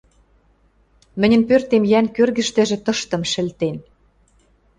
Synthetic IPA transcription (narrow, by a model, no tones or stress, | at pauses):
mɘ̆nʲə̆npørt̪emjænkørɣɘ̆ʃt̪ĕʒĕt̪ɤ̆ʃt̪ɤ̆mʃɘ̆lt̪en